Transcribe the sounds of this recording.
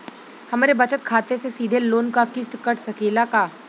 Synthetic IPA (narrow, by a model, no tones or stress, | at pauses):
hɐmːɾebɐt͡ʃət̪̚kʰaːt̪esesiːd̪ʱeloːnkakɪst̪kɐʈsɐkeːlakaː